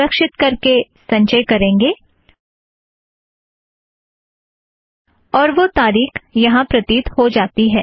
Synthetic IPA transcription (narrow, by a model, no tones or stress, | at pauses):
əkʃɪt̪̚kɐɾkesɐ̃ɲt͡ʃəjkɐɾẽːŋɡeː | ɔːɾʋot̪aːɾiːxjɐɦãpɾɐt̪iːt̪hod͡ʒaːt̪iɦɛː